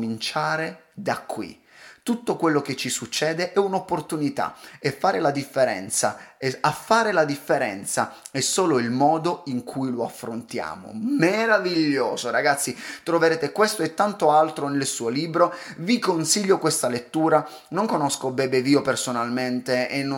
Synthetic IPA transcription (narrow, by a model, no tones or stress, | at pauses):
int͡ʃaːɾe | d̪akːwḭ | t̪ut̪ːokwelːok̟et͡ʃːisut͡ʃːɛːd̪eʔɛunopːort̪unit̪a̰efːaːɾelad̪ifːeɾɛ̰nt̪saɛafːaːɾelad̪ifːeɾɛ̰nt̪saɛsːoːloilmɔːd̪oiŋkʰujloafːɾont̪ja̰ːmo̰meɾaviʎːoːzoɾaɡat̪sːit̪ɾoveɾeːt̪ekwest̪oɛt̪ːant̪oalt̪ɾonelsuːoliːbɾovikonsiʎːokwest̪alet̪ːuːɾa | noŋkonɔskobɛbeviːopersonalment̪eenː